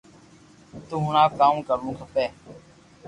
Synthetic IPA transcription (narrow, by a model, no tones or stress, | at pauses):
t̪ũːɦʊnaːkaːmkəɾnũːkʰəpeː